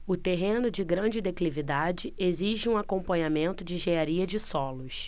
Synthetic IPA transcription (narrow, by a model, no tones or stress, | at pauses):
ʊt̪eɦẽnʊd͡ʒɪɡɾɐ̃d͡ʒɪd̪eklivid̪ad͡ʒɪeziʒɪũakõmpɐ̃ɲamẽnt̪ʊd͡ʒɪʒeaɾiɐd͡ʒɪsɔlʊs